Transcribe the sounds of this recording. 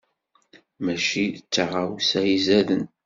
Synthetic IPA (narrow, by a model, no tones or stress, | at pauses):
mæʃit͡sːəʁawsæjizæðən